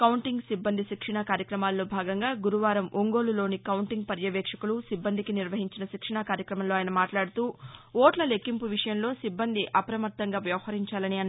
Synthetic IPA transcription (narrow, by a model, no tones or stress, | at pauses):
kɐwuɳʈiŋɡsibːɐnd̪ʱiʃikʂɐɳakaːɾjɐkɾɐmaːlːo̞ːbʱaːɡɐŋɡaːɡuɾuʋaːɾɐmʔoŋɡo̞ːlulo̞ːnikɐwuɳʈiŋɡpɐɾjɐʋɛːkʂɐkulusibːɐnd̪ikiniɾʋɐɦiɲt͡ʃinɐʃikʂɐɳakaːɾjɐkɾɐmɐmlo̞ːaːjɐnɐmaːʈlaːɽut̪uːoːʈlɐlekːimpuʋiʂɐjɐmlo̞ːsibːɐnd̪ʱiʔɐpɐɾɐmɐt̪ːɐŋɡaːʋjɐʋɐɦɐɾiɲt͡ʃaːlɐniɐnː